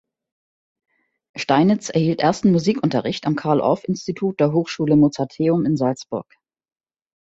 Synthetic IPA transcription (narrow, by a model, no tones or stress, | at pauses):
ʃtaɪnɪt͡sʔɛɐhiːltʔeɐstn̩muziːkʔʊntɐʁɪçtamkʰaɐlʔɔ̰fɪnstitʰuːt̚d̥eːɐɦoːxʃuːləmot͡satʰeːʊmɪnzalt͡sb̥ʊɐk